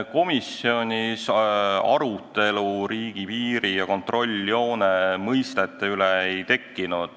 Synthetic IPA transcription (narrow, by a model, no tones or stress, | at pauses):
ko̞misio̞nʲisɑ̰ɾut̪ːˑe̞luɾiːɡ̥ipiːɾijɑko̞nt̪ro̞lʲːjo̞ːnemɤjst̪e̞t̪ːˑeyleejt̪e̞kːinud̪̥